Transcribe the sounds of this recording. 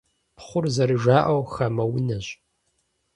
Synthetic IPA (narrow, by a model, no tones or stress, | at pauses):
pχʷʊrzɐɾɨʒʷaːʔɐwxɐmɐwʊnɐɕʼ